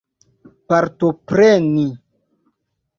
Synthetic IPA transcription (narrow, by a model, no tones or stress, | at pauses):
paɾtopɾeni